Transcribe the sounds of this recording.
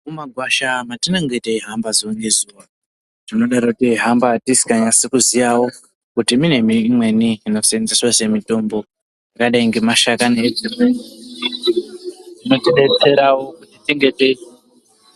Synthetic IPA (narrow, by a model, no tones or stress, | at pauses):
mumaɡʱwaʃamatinoŋɡeiteiɦambazounezuwa | tino̞ɗaroutiɦambatisi̥kaɲasekuzijawo̞ | kutimine̞miːmwe̞niːno̞senziswase̞mito̞mbo̞ | jakaɗaiŋɡe̞maʃakaned͡zimen | tino̞teɗe̞t͡se̞ɾawo̞kutitiŋɡe̞tei